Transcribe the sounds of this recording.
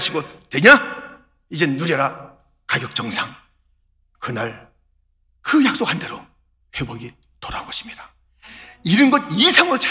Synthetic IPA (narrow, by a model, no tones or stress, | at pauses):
ɕʰiɡonwe̞ɲa | id͡ʑe̞nuɾjaɾa | kaɡjʌk̚t͡ɕ͈ʌŋsʰaŋ | kɯnaɭ | kɯjak̚s͈okhande̞ɾo | ɸe̞boɡi | toɾaboɕʰi̥mɲid̥a | iɾɯnɡʌdisʰaŋɯɭt͡ɕʰ